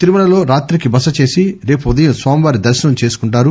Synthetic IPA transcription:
t̪iɾumɐɳɐlo̞ːɾaːt̪ɾikibɐsɐt͡ʃe̞ːsiɾe̞ːpuud̪ɐjɐmsʋaːmiʋaːɾid̪ɐɾʃɐnɐmt͡ʃe̞ːsu̥kuɳʈ̬aːɾu

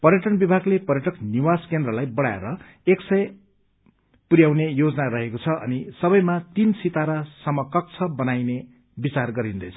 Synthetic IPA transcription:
pʌrjʌʈʌnbibʱaɡlepʌrjʌʈʌkniwaskend̪rʌlajbʌɽaeɾʌ | eksʌj | puɾjawnejod͡zʌnaɾʌɦekot͡sʰʌʔʌ̰nisʌbʌjmat̪insit̪aɾasʌmːʌkʌk̚t͡sʰʌbʌnajne | bit͡sarɡʌɾind̪ʌjt͡sʰʌ̥

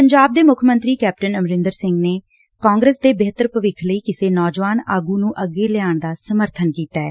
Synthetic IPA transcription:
pəɲd͡ʒaːb̚d̪eːmʊkʰmənt̪ɾiːkɛːp̚ʈənəmɾɪ̃nd̪əɾsɪŋɡneː | kãːŋɡɾəsd̪eːbeɦt̪əɾpəʋɪkʰləiːkɪseːnɔːd͡ʒʋaːnaːɡuːnũːʔəɡːeːlɪjaːɳd̪aːsəməɾt̪ʰənkiːt̪aːɛː

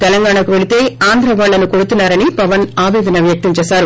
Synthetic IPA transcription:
t̪ɛlɐŋɡaːɳɐkuʋe̞ɭit̪e̞ːaːnd̪ʱɾɐʋaːɭːɐnuko̞ɽut̪unːaːɾɐnipɐʋɐnaːʋɛːd̪ɐnɐʋjɐk̚t̪ɐɲt͡ʃɛːsaːɾu

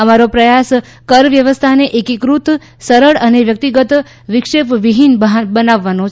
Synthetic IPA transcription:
əmaɾopɾəjas | kəɾʋjəʋəst̪ʰaneʔekikɾut̪ | səɾəɭəneʋjək̚t̪iɡət̪ | ʋɪkʂepʋiɦinbɦbənaʋːanõ

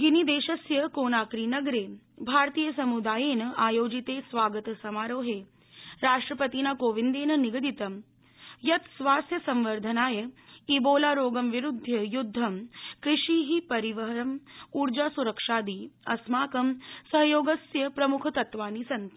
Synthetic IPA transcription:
ɡinid̪eːʃɐsjɐkoːnaːkɾiːnɐɡɾeː | bʱaːɾt̪iːjəsɐmud̪aːjeːnɐaːjoːd͡ʒit̪eːsʋaːɡɐt̪sɐmaːɾoːɦeː | ɾaːʂʈɾɐpɐt̪inaːkoːʋind̪eːnɐniɡɐd̪it̪ɐm | jɐt̪sʋaːst̪jɐsɐmʋɐɾd̪ʱɐnaːjɐiboːlaːɾoːɡɐmʋiɾud̪ʱːjɐjud̪ʱːɐmkɾiʂiːɦipɐɾiʋɐɦɐɾɐmuɾd͡ʒaːsuɾɐkʂaːd̪iɐsmaːkɐmsɐɦjoːɡɐsjɐpɾɐmukʰɐt̪ɐt̪ʋaːnisɐnt̪

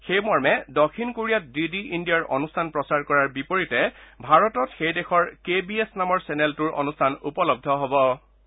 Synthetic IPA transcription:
xejmɔɹmɛdɔkʰinkoɹijat̚didiʔindijɔɹʔɔ̰nustʰanpɹɔsaɹkɔɹaɹbipoɹitɛbʱaɹɔtɔtxejdexɔɹkebiesnamɔɹsɛneltʊɹʔɔ̰nustʰanupɔlɔb̚dʱɔɦɔbɔ

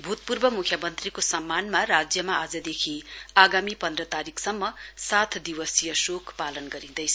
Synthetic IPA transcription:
bʱut̪̚purbʌmukʰjʌmʌnt̪rikosʌmːanmarad͡zjʌmaad͡zʌd̪ekʰiaɡamipʌnd̪rʌt̪aɾikʰsʌmːʌsat̪ʰd̪iwʌsijʌsokʰpalʌnɡʌɾĩd̪ʌjt͡sʰʌ

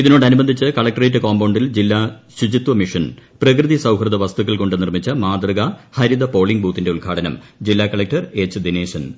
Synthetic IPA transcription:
iðino̞ːɽɨɐnubɐnd̪ʱit͡ɕːɨkɐɭɐk̚ʈɐretːɨkoːmbɐwɳɖild͡ʑilːaː | ɕud͡ʑit̪ʋɐmiʂɐnprɐk̬rɨðisɐwɦrɨðɐʋɐst̪ukːɐɭko̞ɳɖɨnirmit͡ɕːɐmaːd̪rɐɣɐhɐɾid̪ɐpo̞ːɭiŋɡbuːt̪ːinde̞uɭɡʰʱaːʈɐnɐm | d͡ʑilːaːkɐɭɐk̚ʈɐre̞ːt͡ɕːɨd̪ineːɕɐn

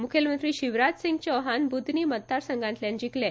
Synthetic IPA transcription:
mukʰjəlmənt̪ɾiːɕiʋɾatsiŋɡt͡ɕɔʋɦanbud̪ʱniːmət̪̚d̪aɾsəŋɡãnt̪ljãnd͡ʑiklɛ

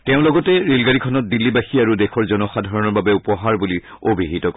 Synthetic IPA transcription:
tɛʊ̃lɔɡɔtɛɹelɡaɹikʰɔnɔt̚dilːibaxiaɹudɛxʰɔɹzɔnɔxadʱaɹɔnɔɹbabɛupɔɦaɹbuli | obʱiɦitɔkɔ

